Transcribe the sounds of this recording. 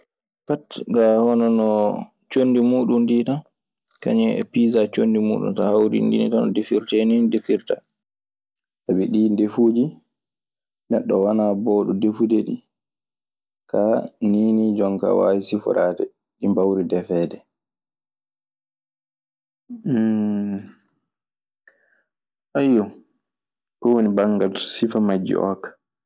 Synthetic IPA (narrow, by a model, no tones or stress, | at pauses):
patɡahɔnɔnɔ | t͡ʃonːdimuːɗundiːta | ka̰ɲɛɛ̰piːzat͡ʃondimṵːɗṵmtahawɾḭndḭnḭtanɔ̰defiɾtenindefiɾta̰ | ʔaɓɛɗindefuːd͡ʒi | nɛɗːɔwanabɔːɗudefudeɗi | kaniːnid͡ʒɔŋka̰wa̰jisifɔ̰ɾaːdɛ̰ | ɗimbawɾidɛfɛːdɛ | ʔajɔ | kɔwonibaŋɡalsɔ̥sifamad͡ʒːḭʔɔ̰kḁ